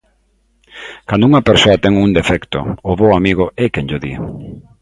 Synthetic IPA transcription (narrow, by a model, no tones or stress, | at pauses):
kand̪ʊuŋɐpeɾsoɐt̪ɛŋund̪efɛkt̪ʊ̰ːβoamiɣʊɛkenʎoðḭ